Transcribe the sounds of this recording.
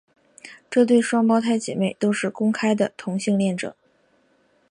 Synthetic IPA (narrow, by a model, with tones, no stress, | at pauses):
ʈ͡ʂɤ˥˧t̪̬we˥˩ɪʂwɑ˥ŋp̬ɑ˥ʊt̪ʰa˥ɪt͡ɕjɛ̰˨˩me˥˩ɪt̪o˥ʊʂɻ̩˥˩kʊ˥ŋkʰa˥ɪd̪ə˨t̪ʰʊ˧˥ŋɕi˥˧ŋljɛ˥˩nʈ͡ʂɤ̰˨˩˦ŋ